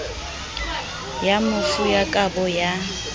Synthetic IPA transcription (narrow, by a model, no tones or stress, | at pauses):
jamʊsʊjakʼabɔja